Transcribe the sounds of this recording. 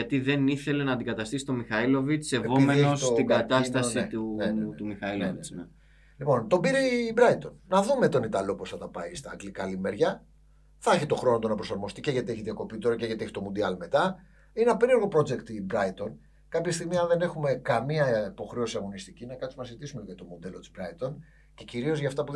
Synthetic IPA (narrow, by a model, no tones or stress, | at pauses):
ʝɐt̪iðe̞niθele̞nɐːnd̪iɡɐt̪ɐst̪isi̥t̪o̞mixɐilo̞vit͡ssevo̞meenosot̪iɡɐt̪ɐst̪ɐsit̪ut̪umixɐilovit͡sne | lipo̞nt̪o̞biɾebɾɐit̪o̞nːɐðume̞t̪o̞nit̪ɐlo̞posθɐt̪ɐpɐist̪ɐːɡlikɐlime̞ɾʝɐ | θɐeçit̪o̞xɾo̞not̪onɐpɾo̞sɐɾmo̞st̪ice̞ʝɐt̪ie̞çiðjɐko̞pit̪o̞ɾɐce̞ʝɐt̪ieçi̥t̪o̞mund̪iɐlme̞t̪ɐ | inenɐpe̞ɾie̞ɾɣo̞pɾo̞d͡ze̞kt̪ibɾɐit̪o̞n | kɐpçɐst̪iɣmiɐnðe̞ne̞xume̞kɐmiɐipo̞xɾe̞osiɐɣo̞nist̪icinɐkɐt̪sunɐsizit̪isumeʝɐt̪o̞mond̪e̞lot̪i̥z̥bɾɐit̪o̞n | ce̞ciɾio̞zʝɐft̪ɐpu